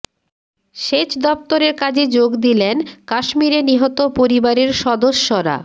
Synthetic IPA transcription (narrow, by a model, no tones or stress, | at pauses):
ʃeʃd̪ɔp̚t̪oɾeɾkad͡ʑed͡ʑoɡd̪ilenkaʃmiɾeniɦot̪opoɾibaɾeɾʃɔd̪oʃːoɾa̰